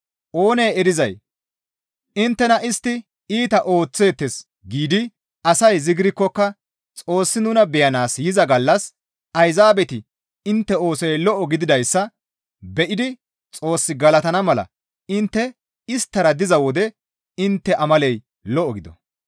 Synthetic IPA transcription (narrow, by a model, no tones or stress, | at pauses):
ʔo̞ːnejɛɾɪzɐj | ɪnt̪ːɛnɐʔɪst̪ːɪ | iːt̪ɐʔo̞ːt͡sːe̞ːt̪ːɛs | ɡiːd̪ɪ | ɐsɐjzɪɡɪɾɪkːɔkːɐ | t͡sʼo̞ːsːɪnʊnɐbɛjɐnaːsjɪzɐɡɐlːɐs | ʔɐjzaːbɛt̪ɪ | ɪnt̪ːɛo̞ːsɔjlɔʔɔɡɪd̪ɪd̪ɐjsːɐ | bɛʔɪd̪ɪ | t͡sʼo̞ːsːɪɡɐlɐt̪ɐnɐmɐlɐ̰ | ɪnt̪ːɛ | ɪst̪ːɐɾɐd̪ɪzɐwɔd̪ɛ | ɪnt̪ːɛʔɐmɐlɛj | lɔʔɔɡɪd̪ɔ̰